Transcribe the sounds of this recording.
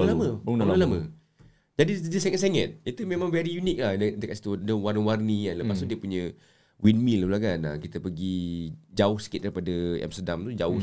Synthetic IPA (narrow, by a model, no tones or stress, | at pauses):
laməəunnəlamə | d͡ʒadidəsɛŋət̪seŋət̪̚it̪umẽmãŋvɛɾijunik̚lahdəkaʔsi̥t̪udəwarnəwarnianləpast̪udiəpuɲə̃ | winmiləlaɡana̰kit̪əpəɡid͡ʒaʊhsə̥kit̪̚daɾipadəa̰mst̪ədamt̪ud͡ʒaʊ